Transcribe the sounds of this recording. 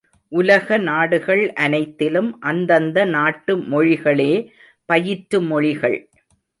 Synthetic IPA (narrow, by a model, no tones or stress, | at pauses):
ʔʊlɐɣɐnaːɽɯɣɐɭʔɐnɐɪt̪ːɪlɯmʔɐnd̪ɐnd̪ɐnaːʈːɯmɔɻɪɣɐɭeː | pɐjɪʈɾɯmɔɻɪɣɐ̰ɭ